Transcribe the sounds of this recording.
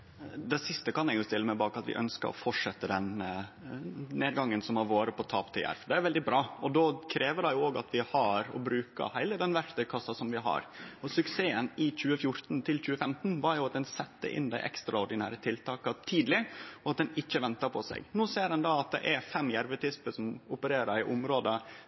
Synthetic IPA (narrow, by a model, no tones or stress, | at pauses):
d̪ɛsɪst̪əkʰɑnɛɡjʊst̪ɪlːəmæɪbɑːkɑt̪ʋɪ̰ʔœ̰nskə̰ɾɔ̰fɔʂɛt̪ːəd̪ɛn | neːd̪ɡɑŋːənsɔmɑɾʋoːɾəpʰɔt̪ʰɑ̰ːpt̪ʰɪlæ̰ɾfd̪ɛæɾʋɛld̪ɪbɾɑːɔd̪oːkʰɾeːʋəɖɛɪjʊoːɡɑ̰t̪ʰʋɪhɑɾɔ̰bɾʉːkə̰hæɪləd̪ɛnʋæɾt̪əkʰɑsɑsɔmʋɪɦɑ̰ɾɔsʉkseːənɪc͡çʉːəfjʊɾt̪nt̪ʰɪlt͡ɕʉːəfɛmt̪nʋɑɾjʊɑt̪̚d̪ɛnsɛt̪ːə̰ʔɪ̰nd̪æɪʔɛ̰kst̪ɾɑɔɾɖ̪ɪnæ̰ːɾət̪ʰɪlt̪ʰɑːkət̪ʰiːd̪lɪɔɑt̪̚d̪ɛnɪçːəʋɛnt̪əɾpʰɔsæ̰ɪɡnoːseːɾdɛnd̪ɑːɑt̪̚d̪ɛ̰ʔæɾfɛmːjæɾʋət̪ʰɪspəsɔmʊpəɾeːɾəɾɪʔʊmɾoːd̪ə